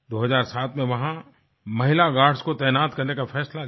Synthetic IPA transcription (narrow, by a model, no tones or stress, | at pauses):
d̪oːɦɐzaːɾsaːt̪ʰmẽʋɐɦã | mɐɦɪlaɡaːɽskot̪ɛːnaːt̪kɐɾnekafʰɛːsla